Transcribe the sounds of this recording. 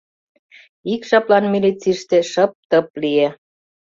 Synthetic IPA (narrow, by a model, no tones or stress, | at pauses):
ikʃɑplɑnmʲilit͡siʃt̪ĕʃəp̚t̪ə̆p̚lije